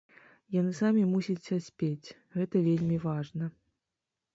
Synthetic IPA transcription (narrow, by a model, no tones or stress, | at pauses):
janɨsamʲimusʲit͡sʲɐsʲpʲet͡sʲ | ɣɛt̪ɐvʲelʲmʲivaʐnɐ